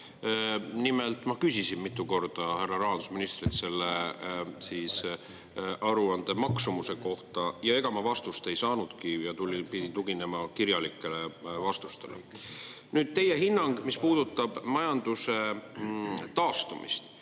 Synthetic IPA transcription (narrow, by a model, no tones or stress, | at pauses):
nime̞lt̪ˑmɑkysʲisinmit̪ːˑuko̞rd̪̥ɑhærːɑɾɑːɑnd̪usminist̪ɾit̪se̞lːesiːs | ʔɑɾuɑnd̪̥e̞mɑksumuse̞ko̞ht̪ɑjɑe̞ɡ̥ɑmɑvɑst̪ust̪e̞jsɑːnud̪̥kijɑt̪ulʲipid̪it̪uɡine̞mɑkiɾjɑlikːˑe̞le̞vɑst̪u̥st̪e̞̰lḛ | nyːd̪̥̚t̪e̞je̞ɦinːɑŋɡ̥mispuːd̪̥ut̪ːˑɑb̥mɑjɑnd̪use̞ | t̪ɑːst̪umḭst̪